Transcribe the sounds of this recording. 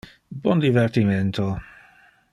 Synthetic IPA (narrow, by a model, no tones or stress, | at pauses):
bwɔnd̪ivɛɾt̪imɛnt̪ʰo